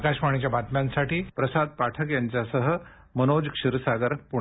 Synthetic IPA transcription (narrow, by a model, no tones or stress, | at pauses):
kaɕmaɳ̃it͡ɕjabʱat̪mjansaʈiːpɾəsad̪̚paʈʰəkjaɲt͡ɕjasəɦə | mənod͡zkʂiɾsaɡəɾpuɳ